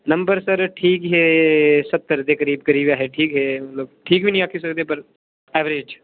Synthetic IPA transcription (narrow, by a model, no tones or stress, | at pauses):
nɐmbəɾsəɾʈʰiːkɦesɐt̪ːəɾt̪ekɐɾiːbkɐɾiːbaːɦeʈʰiːkɦeːmɐt̪loːɡ̚ʈʰiːkbʱinĩaːkʰis̬ɐkt̪eepɐɾ | ɛːʋɾeːd͡ʒ